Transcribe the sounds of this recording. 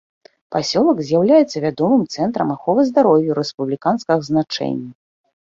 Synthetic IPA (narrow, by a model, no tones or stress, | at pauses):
pasʲɔlˠɐɡzʲjawlʲajɛt̪sːɐvʲad̪ɔmɨmt̪sɛnt̪ɾɐmaxɔvɐzd̪aɾɔwjuɾɛspublʲikanskɐɣznat͡ʂɛ̰nʲːɐ